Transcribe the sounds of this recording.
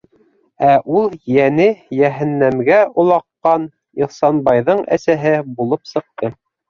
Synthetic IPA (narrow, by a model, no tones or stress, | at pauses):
æʔulˠjænɘjæɦænːæmɡæʔŏlˠɑqːɑn | ilˠsɑnbɑjðɤɴʔæ̰sæɦɘbulˠɤpsɤ̆q̚t̪ɤ